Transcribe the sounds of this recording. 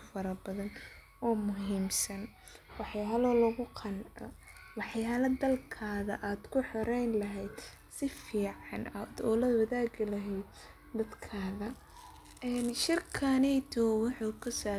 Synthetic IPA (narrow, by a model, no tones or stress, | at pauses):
fɐɾɐbɐðɐn | ɔːmʊɦiːmsɐn | wɑħjaːlɔlʊɣʊqʰɑnʕɔ̰wɑħjaːlɐd̪ɐlkʰaːðɐʔaːd̪kʰʊħɔɾɛjnlɐɦɛjd̪ | sɪfiːʕɑnɐd̪ɔːlɐwɐðaːɡɪlɐɦɛjd̪̚ | d̪ɐd̪kʰaːðɐ | ɛːnʃɪrkʰanɛjt̪ʰɔwʊħuːkʰʊsaː